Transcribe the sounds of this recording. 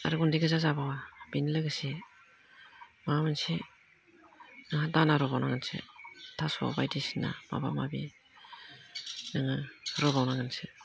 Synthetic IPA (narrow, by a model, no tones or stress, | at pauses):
a̰ɾɡundiɡɯzazabawab̥inlɯɡɯsi | mamɯnsi | naŋadanaɾɔbawnaŋansḛtʰasɔ̰bajdisina̰ma̰ba̰mabi | naŋaɾɔbawnaŋɯnsi